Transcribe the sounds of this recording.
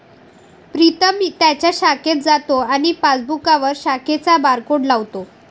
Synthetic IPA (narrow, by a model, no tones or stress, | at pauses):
pɾit̪əmit̪jat͡ɕjaɕaket̪̚d͡zat̪oañipat͡sbukaʋəɾɕaket͡sabaɾkoɽlaʋt̪o